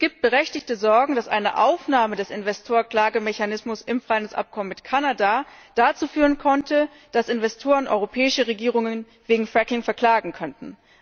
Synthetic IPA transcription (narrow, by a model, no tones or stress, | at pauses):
ɡ̥iːpt̚b̥əʁɛçtɪçtəzɔɐɡŋ̩dasʔa̰ɪnə̰ʔaʊfnaːmədɛsɪnvɛstʰoːɐkl̥aːɡəmɛçanɪsmʊsɪmfʁ̥aɪndsʔa̰p̚kʰɔmənmɪtkʰanada | d̥at͡suːfyːʁənkʰɔntʰə | d̥asɪnvɛstʰoːʁənʔɔ̰ʏʁopʰɛːɪʃəʁeɡiːʁʊŋən | veːɡŋ̩fʁ̥ɛkɪŋfɛɐkl̥aːɡŋ̩kʰœntn̩